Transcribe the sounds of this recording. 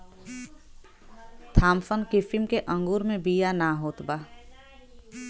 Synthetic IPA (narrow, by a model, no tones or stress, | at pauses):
t̪ʰaːmfənkɪfimkeʔə̃ŋɡuːɾmẽbijanaɦoːt̪baː